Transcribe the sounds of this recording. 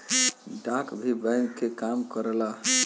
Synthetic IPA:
ɖãkbʱibãjŋkːekamkəɾəla

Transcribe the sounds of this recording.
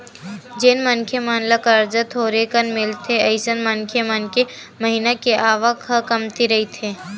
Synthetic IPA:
d͡ʒeːnmənkʰjemaːnləkəɾd͡ʒət̪ʰoːɾekənmɪlt̪ʰeɐɪsənmɐnkʰjemənke | məɦinakeʔaːʋəkhəkɐmt̪iɾɐɦit̪ʰeː

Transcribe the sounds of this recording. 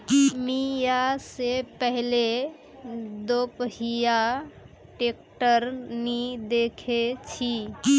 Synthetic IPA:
mijasepəɦle | d̪opɦija | ʈek̚ʈəɾnid̪ekʰet͡ʃʰi

